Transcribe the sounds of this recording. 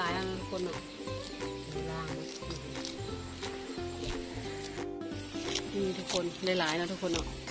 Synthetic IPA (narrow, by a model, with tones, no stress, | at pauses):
aː˨˦jna˧˨nɔ˧t̪ʰu˧˥kʰo˧˨nːɔ˨˧˨ʔ | a˨˧˩laː˧˩ŋɔ˧ | ɯ˧˩˧ | ʔɯː˧˩t̪ʰuː˦˧˥kʰo˧˨nda˥˩jlaː˨˦jnɔ˧˥t̪ʰu˧˥kʰo˧nɔ˨˧˨ʔ